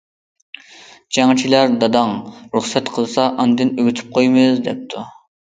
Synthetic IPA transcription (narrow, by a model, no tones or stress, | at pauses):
d͡ʒɛŋɑt͡ʃʰilæɾd̪ɑd̪ɑŋɾuχsɛt̪qʰəlˠsɑʔɑnd̪ɨnøɡʲyt̪ʰy̥p̚qʰojmɨzd̪ɛp̚t̪ʰu